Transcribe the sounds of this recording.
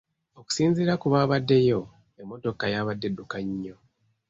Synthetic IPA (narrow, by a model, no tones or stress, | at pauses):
o̞ku̥siːnziːɾakuβaːβadːe̞jo̞ | emːo̞to̞kajaːβadːe̞dukaɲːo̞